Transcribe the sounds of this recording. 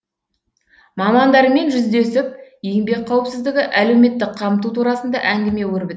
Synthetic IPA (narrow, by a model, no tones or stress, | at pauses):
mɑmɑnd̪ɑɾəme̞nʒʏzd̪e̞sɪp̚je̞ŋbe̞k̚qʰɑwəpsɪzd̪ɪɡʲɪʔæle̞wme̞t̪ːɪkqʰɑmət̪̬ut̪ʰuɾɑsənd̪ɑ̰ʔæŋɡʲɪme̞wɵɾbɪt̪